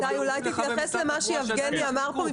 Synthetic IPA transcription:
ajulajt̪it̪jaχesle̞maʃeavɡeniamaʁpoi

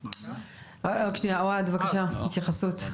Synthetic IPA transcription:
oʃniaoad̪vakaʃahit̪jaχasut̪

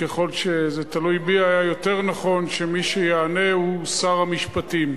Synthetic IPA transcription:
keχo̞lʃezet̪alujbiajajo̞te̞ʁnaχo̞nʃe̞miʃejaːne̞usaʁamiʃpatim

